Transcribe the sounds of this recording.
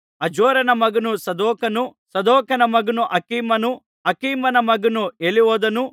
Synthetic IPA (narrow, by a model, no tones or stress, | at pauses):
ɐd͡ʒɔːɾɐnɐmɐɡɐnusɐd̪ɔːkɐnusɐd̪ɔːkɐnɐmɐɡɐnuʔɐkiːmɐnu | ɐkiːmɐnɐmɐɡɐnueliʋɔːd̪ɐnu